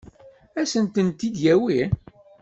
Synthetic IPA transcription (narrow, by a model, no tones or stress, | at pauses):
æsənt̪ənt̪id̪jæwi